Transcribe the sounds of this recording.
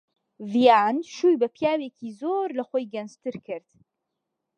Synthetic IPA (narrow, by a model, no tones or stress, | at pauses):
vijaːnʃuːjbɐpjaːwecizoɾlɐxoːjɡɐnzt̪ɨɾkɨɾd̪̥